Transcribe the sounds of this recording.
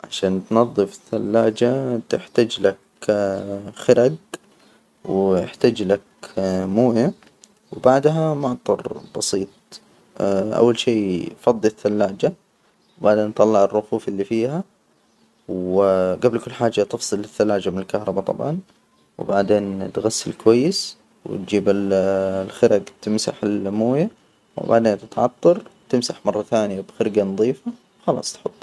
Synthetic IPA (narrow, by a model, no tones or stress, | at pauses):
ʕa̰ʃaːnt̪nɑðˤːɨfɪθːalːaːd͡ʒat̪ɪħt̪ad͡ʒlak | xɪɾad̪ | wɪħt̪ad͡ʒlakmuːja | wbaʕd̪ɦamʊʕt̪ˤːɑɾb̥ɑsiːt̪̚ˤ | ʔa̰wːalʃeːfɑd̪ˤːθːalːaːd͡ʒa | wbaʕd̪eːnt̪ˤɑlːɑʕɪrˤːʊfuːfɪlːiːfiːha | wɡablkʊlːħaːd͡ʒːat̪ɪfsˤɨlɪθːalːaːd͡ʒamɪnɪlkahɾˤɑbɑt̪ˤɑ̰bʕɑn | wbaʕd̪eːnt̪ɣasːɪlkwajːɪs | wɪ̰t̪̚d͡ʒiːbɪllxɪɾʔaɡt̪ɪmsa̰ħɪlmuːja | w̰ba̰ʕd̪eːnt̪ɪt̪ʕɑt̪ˤːɑɾˤt̪ɪmsaħmɑrˤːɑθaːnɪjabxɪɾɡanɑðˤiːfawxɑlɑ̰ːsˤt̪ħʊt̪ˤː